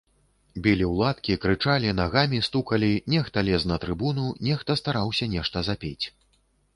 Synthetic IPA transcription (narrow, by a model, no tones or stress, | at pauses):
bʲilʲiwlˠat̪kʲikɾɨt͡ʂalʲinaɣamʲist̪ukɐlʲinʲɛxt̪ɐlʲɛsnɐt̪ɾɨbununʲɛxt̪ɐst̪aɾawsʲɐnʲɛʂt̪ɐzapʲet͡sʲ